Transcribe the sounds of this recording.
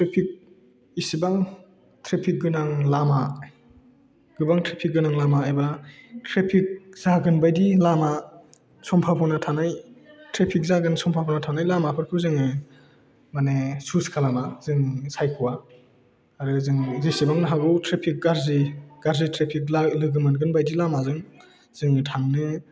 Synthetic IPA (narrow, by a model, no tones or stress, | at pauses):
tɾepʰik̚ | isibaŋ | tʰɾepʰik̚ɡɯnaŋlama | ɡ̥ɯbaŋtɾepʰik̚ɡɯnaŋlamaːjbatɾepʰik̚zaɡɯnbajdilama | sɔmpʰapʰɔnatʰanajtɾepʰik̚zaɡɯnsɔmpʰapʰɔnatʰanajlamapʰɯɾkʰɯwzɯŋɯ | manesuskʰalamazɯŋsajkʰuwa | aɾɯzɯŋzesibaŋnaɦaɡɯwtɾepʰik̚ɡaɾziɡ̥aɾzitɾepʰik̚lalɯɡɯmɯnɡɯnbajdilamazɯŋ | z̥ɯŋtʰaŋnɯ